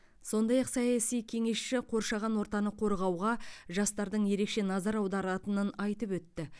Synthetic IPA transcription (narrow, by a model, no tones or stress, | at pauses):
so̞nd̪ɑjɑqsɑjɑsijkʲʰe̞ŋe̞sʃɪqʰo̞ɾʃɑʁɑnwo̞ɾt̪ɑnəqʰo̞ɾʁɑwʁɑʒɑst̪ɑɾd̪əɴje̞ɾe̞kʃe̞nɑzɑɾɑwd̪ɑɾɑt̪ənənɑjt̪əpwɵt̪ːɪ